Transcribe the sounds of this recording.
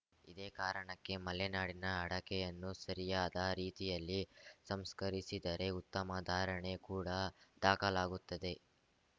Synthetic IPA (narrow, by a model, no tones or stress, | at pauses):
id̪eːkaːɾɐɳɐkːe̞mɐlenaːɽinɐːɽɐkɛjɐnːusɐɾijaːd̪ɐɾiːt̪ijɐlːisɐmskɐɾisid̪ɐɾe̞ut̪ːɐmad̪ʱaːɾɐɳe̞kuːɽɐd̪̥aːkɐlaːɡut̪ːɐd̪e̞